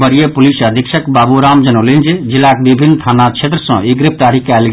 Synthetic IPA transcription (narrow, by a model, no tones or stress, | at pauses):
bəɾijepulisəd̪ʱikʃʰəkbaːbuɾamd͡ʒənolind͡ʒed͡ʒilːakebibʱinːt̪ʰanat͡ʃʰet̪ɾəsɔ̃ʔiɡɾɪp̚ʰt̪aɾikal